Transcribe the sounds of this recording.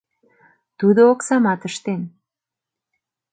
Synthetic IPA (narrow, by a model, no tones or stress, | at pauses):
t̪ud̪ooksɑmɑt̪ə̆ʃt̪en